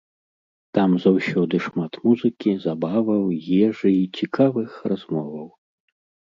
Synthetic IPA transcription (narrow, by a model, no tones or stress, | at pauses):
t̪amzawsʲɔd̪ɨʂmat̪muzɨkʲizabavɐwjɛʐɨit͡sʲikʰavɨxrazmɔvɐw